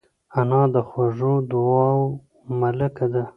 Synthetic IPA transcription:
anɑd̪əxwaʐod̪ʊɑw | malakad̪a

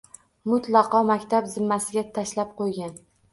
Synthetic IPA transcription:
mʊt̪lˠɑqɒmakʲt̪ʰabzɪmːasɪɡʲat̪ʰaʃlap̚qʰojɡʲan

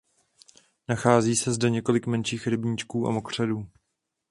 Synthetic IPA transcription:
naxaːziːsɛzdɛɲɛko̞lɪkmɛnʃiːxɾɪbɲiːt͡ʃkuːʔa̰mokr̝̥ɛduː

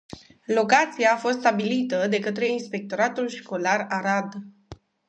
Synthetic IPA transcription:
lo̞kat̪siaːfo̞st̪st̪abilit̪əd̪e̞kət̪ɾe̞inspe̞k̚t̪o̞ɾat̪ulʃko̞laɾaɾad̪

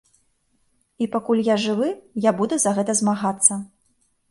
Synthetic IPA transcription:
ipakulʲjaʐɨvɨjabud̪ɛzɐɣɛt̪ɐzmaɣat̪sːɐ

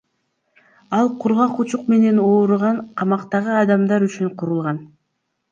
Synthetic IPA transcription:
ɑlˠqʰuɾʁɑqut͡ʃuqme̞ne̞no̞ːɾuʁɑɴqʰɑmɑqt̪ɑʁɯɑd̪ɑmd̪ɑɾyt͡ʃyɴqʰuɾulˠʁɑn

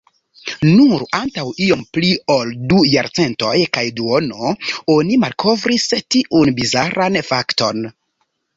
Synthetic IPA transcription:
nuɾantawio̞mplio̞ldujaɾt͡se̞nto̞jkajduono̞o̞nimalkʰo̞vɾistiʔunbizaɾʔanfakto̞n

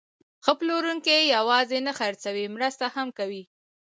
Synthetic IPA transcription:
xəploɾuŋkijawɑzenaxaɾt͡sawimɾəst̪ahamkawi

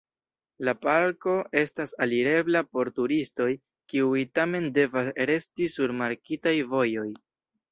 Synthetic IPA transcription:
lapaɾko̞e̞stasaliɾe̞blapo̞ɾtuɾisto̞j | kiujtame̞nde̞vasɾe̞stisuɾmaɾkitajvo̞jo̞j

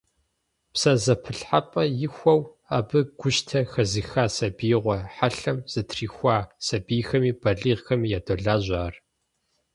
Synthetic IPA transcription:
psɐzɐpʰɨɬħapʼɐjɪxʷɐw | aːbɨɡ̥ʷʊʃtʰɐxɐziːxaːsɐbiːʁʷɔħaɬɐmz̥ɐtʰriːxʷaːsɐbiːxɐmiːb̥ɐɮiːʁxɐmiːjaːdoɮaːʑʷaːr

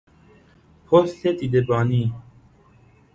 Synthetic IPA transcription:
pʰost̪et̪id̪ebɑːni

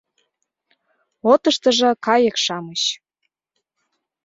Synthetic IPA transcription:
ot̪əʃt̪ə̆ʒɤ̆kɑjəkʃɑməɕ

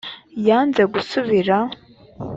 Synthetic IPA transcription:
jaːnzeɡusuβiɾa

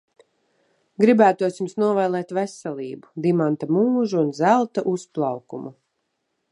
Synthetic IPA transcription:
ɡɾibæːt̪uɔsjumsnuɔvajlˠɛːt̪vɛsɛlʲˠiːbud̪imant̪amuːʒuunzælˠt̪aʔusplˠɑwkumu

